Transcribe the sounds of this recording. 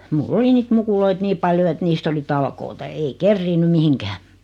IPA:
mulː oli niːt mukuloit niː pɑljo et niːst oli tɑlkoːtɑ ei kerːiːnːy mihiŋkæː

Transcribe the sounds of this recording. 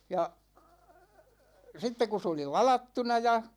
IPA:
jɑ sitːe ku s oli lɑlɑtːunɑ jɑ

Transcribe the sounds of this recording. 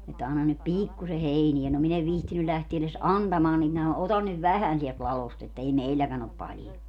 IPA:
etːæ ɑnːɑn nyt piːkːuse heiniæ no min eʋ ʋihtiny læhtie eles ɑntɑmɑːn nim minæ otɑn nyʋ ʋæhæn siɛlt lɑlost etːæ ei meilːækæn op pɑljo

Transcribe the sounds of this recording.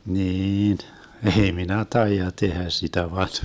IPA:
niːn ʔei minæ tɑijɑ tehæ sitæ ʋɑn

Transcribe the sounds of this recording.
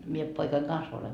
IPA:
mie poikɑiŋ kɑns oleŋ

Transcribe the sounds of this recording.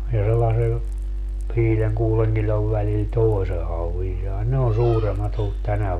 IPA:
jɑ selːɑse ʋiːleŋ kuːleŋ kilʲoʋ ʋælil toi̯se hɑuʋin sɑi ne on suːremːɑt olːut tænæ

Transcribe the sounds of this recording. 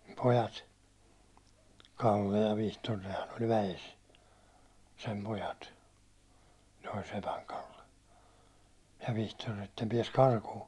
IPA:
pojɑt kɑlːe jɑ ʋihtor nehæn olʲ ʋæjes sem pojɑt ne olʲ sepæŋ kɑlːe jɑ ʋihtor etːæ ne piɛs kɑrkuː

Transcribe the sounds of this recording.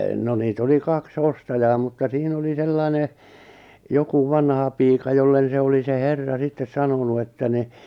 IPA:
no niːt oli kɑks ostɑjɑː mutːɑ siːn oli selːɑi̞ne joku ʋɑnhɑpiːkɑ jolːen̞ se oli se herːɑ sitːes sɑnonu etːæ ni

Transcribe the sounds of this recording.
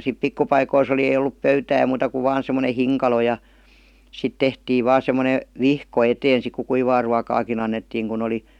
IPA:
sip pikːu pɑikois oli ei olˑup pøytæː muːtɑ kuʋ ʋɑːn semˑone hiŋkɑlo jɑ sit tehtiːʋ ʋɑː semˑone ʋihko eteːn̞ sik ku kuiʋɑː ruɑkɑːkin ɑnːetːiːŋ kun oli

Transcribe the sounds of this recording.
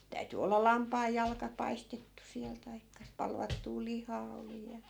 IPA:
tæyty olːɑ lɑmpɑːjːɑlkɑ pɑistetːu siæl tɑikːɑ pɑlʋɑtːuː lihɑː oli jɑ

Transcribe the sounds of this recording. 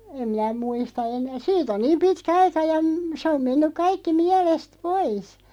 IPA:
em minæ muistɑ ene siːt on niːm pitkæ ɑikɑ jɑ se om menːyk kɑikːi miælest pois

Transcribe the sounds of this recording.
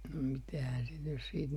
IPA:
no mitæhæn sit nys siːt

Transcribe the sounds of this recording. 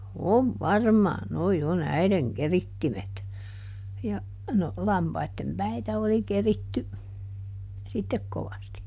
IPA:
oʋ ʋɑrmɑːn noi on æiðeŋ keritːimet jɑ no lɑmpɑitːem pæitæ oli keritːy sitːek koʋɑsti

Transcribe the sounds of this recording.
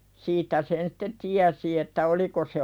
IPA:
siːtˑæ sen si̥tːe tiæsi etːæ oliko se

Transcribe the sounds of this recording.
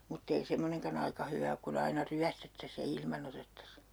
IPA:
mutː ei semːoneŋkɑn ɑikɑ hyʋæ ok kun ɑinɑ ryæstetːæs jɑ ilmɑn otetːɑs

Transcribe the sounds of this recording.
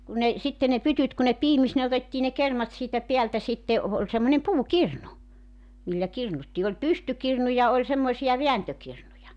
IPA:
kun ne sitːe ne pytyt ku ne piːmis ne otetːiː ne kermɑt siːtæ peæltæ sitːe o oːlʲ semːonʲem puːkirnu milːæ kirnutːiː olʲ pystykirnu jɑ olʲ semːoĭsijɑ ʋeæntøkirnujɑ

